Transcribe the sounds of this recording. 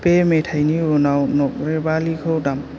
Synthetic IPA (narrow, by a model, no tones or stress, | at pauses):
pemetʰajniɔnawnɔk̚ɾebalikʰawdam